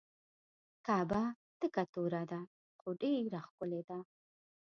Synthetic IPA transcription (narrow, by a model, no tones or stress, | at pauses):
kaːba | t̪əkat̪oɾad̪a | χoɖeɾaxkʊled̪a